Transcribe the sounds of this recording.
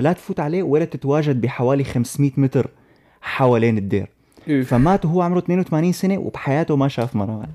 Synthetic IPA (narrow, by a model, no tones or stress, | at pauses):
lat̪fuːt̪ʕaleːwʔɪlːat̪ɪt̪waːʒad̪̚biħawaːlixamsmiːt̪mɪt̪ɾ | ħawaːleːnɪd̪ːḛːɾ | famaːt̪ɦʊwːʕʊmɾut̪neːnwɪt̪amaːniːnsanew̰b̥ħajaːt̪ʊmaʃaːfmɑɾˤɑːa̰n